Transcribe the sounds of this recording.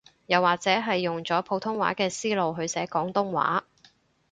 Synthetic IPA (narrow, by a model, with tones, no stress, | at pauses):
jɐ˨˩wːaː˨˩k̚t͡sɛː˨˥ɦɐ˨jːʊ˨ŋt͡sɔː˨˥pʰo˨˧˥wt̪ʰʊ˥ŋwa̰ː˨˥kɛː˧siː˥lo˨wɦɵ˨˧ɥsɛː˨˥kɔː˨˥ŋt̪ʊ˥ŋwa̰ː˨˥